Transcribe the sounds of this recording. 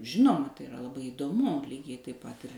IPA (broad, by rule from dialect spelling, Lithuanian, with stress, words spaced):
ˈʒʲɪnoːmɐ tɐɪ ɪˈrɐ lˠɐˈbɐɪ iːdoːˈmʊ ˈlʲiːɡʲɛɪ tɐɪp ˈpɐt ɪr